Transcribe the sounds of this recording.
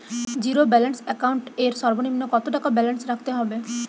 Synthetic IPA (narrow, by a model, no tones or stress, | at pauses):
d͡ʑiɾobɛlensɛkawɳʈeɾsɔɾbonimːokɔt̪oʈakabɛlensɾakʰt̪eɦɔbe